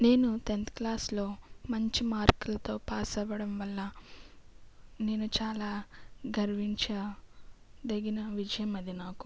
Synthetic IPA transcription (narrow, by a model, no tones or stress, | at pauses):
ne̞ːnut̪ent̪klaːslo̞ːmɐɲt͡ʃimaːɾkɐlɐt̪o̞ːpaːsɐʋɐɽɐmʋɐlːɐ | ne̞ːnut͡ʃaːlaːɡʱɐɾʋiɲt͡ʃɐ | d̪eɡinɐʋid͡ʒɐjɐmɐd̪inaːku̥